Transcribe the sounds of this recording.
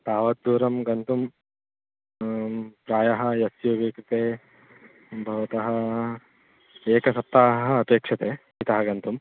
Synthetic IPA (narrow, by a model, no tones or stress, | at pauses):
t̪aːʋɐd̪̚d̪uːɾɐmɡɐnt̪um | pɾaːjɐɦɐjɐsjuʋeːkɾit̪eː | bʱɐʋɐt̪ɐɦɐ̆ | eːkɐsɐp̚t̪aːɦɦɐɐpeːkʂɐt̪eː | it̪ɐɦɐɡɐnt̪um